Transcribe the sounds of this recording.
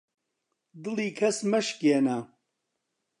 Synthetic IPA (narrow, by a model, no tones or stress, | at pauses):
d̪ɨlˠiːkʰɐsmɐʃkena